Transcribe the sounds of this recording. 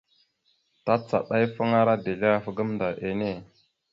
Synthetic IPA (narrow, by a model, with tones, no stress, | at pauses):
ta˦t͡sa̰˨ɗa˦jfə˦ŋa˦ɾa˦de˨le˦a˦fə˨ɡə˦mnda˨ʔe˨ne˦˨